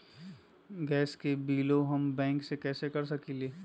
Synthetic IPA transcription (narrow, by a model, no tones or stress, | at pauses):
ɡɛːskebiːloɦɐmbɛ̃ːŋksekɛːsekɐɾsɐkileː